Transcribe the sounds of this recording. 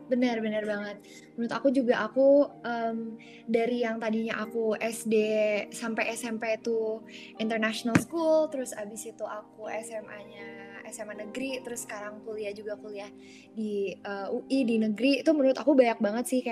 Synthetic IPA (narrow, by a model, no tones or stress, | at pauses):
bənərbənərbaŋət̪̚ | mənuɾʊt̪akud͡ʒuɡaʔakuəm | daɾijaŋt̪adiɲaʔakuɛsdesampajʔɛsɛmpet̪u | int̪ərnaʃonalskult̪əɾʊsabɪsit̪uakuɛsɛma̰ɲaɛsɛmanəɡɾit̪əɾʊsːə̥kaɾaŋkuliahd͡ʒuɡakuliah | diəuʔidinəɡɾit̪ʊhmənuɾʊt̪akubajak̚baŋət̪sɪhkaja